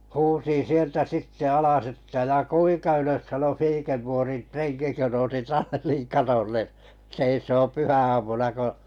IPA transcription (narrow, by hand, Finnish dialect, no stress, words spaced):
huːsin̞ sieltæ sitːe ɑlɑs etːæ jɑ kuiŋkɑ yløs sɑno fiːkerpoːrin treŋki kø nousi tɑlːiŋ kɑtolːe seisoːm̆ pyhæɑːmunɑ ko